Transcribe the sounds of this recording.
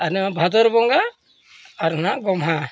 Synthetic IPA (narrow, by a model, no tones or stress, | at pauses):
anɛmabʱad̪ɔɾbɔŋɡaː | ɾnaɡɔmɦa